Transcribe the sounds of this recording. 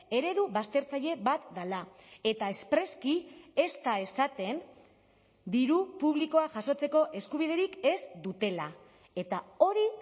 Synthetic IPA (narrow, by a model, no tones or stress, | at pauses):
e̞ɾe̞ðuβast̪e̞ɾt͡saʎe̞βat̪d̪alae̞t̪ae̞spɾe̞skie̞st̪ae̞sat̪e̞n | d̪iɾupuβ̞liko̞aʝaso̞t͡se̞ko̞ʔe̞skuβ̞iðe̞ɾike̞zd̪ut̪e̞la | e̞t̪ao̞ɾi